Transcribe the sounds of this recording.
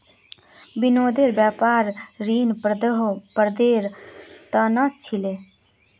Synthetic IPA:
binoːd̪eːɾbjaːpaːɾɾiːnpɾd̪ɦpəɾd̪eːɾt̪ənət͡ʃʰile

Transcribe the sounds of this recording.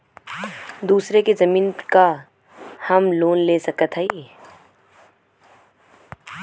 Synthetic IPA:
d̪uːsɾekezɐmiːnka | hɐmloːnleːsɐkət̪ɦəiː

